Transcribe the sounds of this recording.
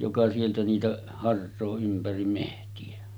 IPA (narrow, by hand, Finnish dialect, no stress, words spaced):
jokɑ sieltæ niːtæ hɑrsˑoː ympærim mehtiæ